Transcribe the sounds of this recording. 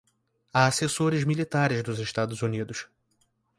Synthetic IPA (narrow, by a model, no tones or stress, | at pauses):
aːsesoɾɪzmilit̪aɾɪzd̪ʊzeʃt̪ad̪ʊzunid̪ʊs